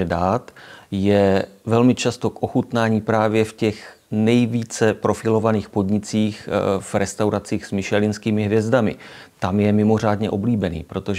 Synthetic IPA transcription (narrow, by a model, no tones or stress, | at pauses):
ɛdaːt̪jɛvɛlmɪt͡ʃast̪o̞kʔoxut̪naːɲiːpɾaːvjɛfcɛx | nɛjviːt͡sɛpɾo̞fɪlo̞vaniːxpo̞d̪ɲɪt͡siːxv̥ɾɛst̪awɾat͡siːxsmɪʃɛlɪnskiːmɪɦvjɛzdamɪ̰t̪amjɛmɪmo̞r̝aːdɲɛʔo̞bliːbɛnḭːpɾo̞t̪oʒ